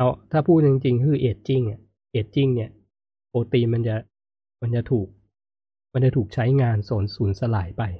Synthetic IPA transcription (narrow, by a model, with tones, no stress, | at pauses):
ʔa˦˥˩wt̪ʰaː˥˩pʰuː˥˩t̪̚t͡ɕi˧ŋt͡ɕi˧ŋkkʰɯː˧˩ʔeː˨˩t̪̚t͡ɕi˥˩ŋi˥˩ | ʔeː˨˩t̪̚t͡ɕi˥˩ŋni˥˩ | poː˧t̪iː˧ma˧nt͡ɕa˨˩ | ma˧nt͡ɕa˨˩t̪ʰuː˨˩k̚ | ma˧nt͡ɕa˨˩t̪ʰuː˨˩k̚t͡ɕʰa˦˥jŋaː˧nsoː˩˦nsuː˩˦nsa˧laː˩˦jpa˧j